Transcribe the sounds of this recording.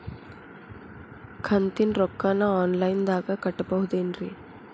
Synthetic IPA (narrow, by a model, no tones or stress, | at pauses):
kʰɐnt̪inɾɔkːaːnɐaːnlɐjnd̪aːɡɐkɐʈːɐbɐɦud̪eːnɾi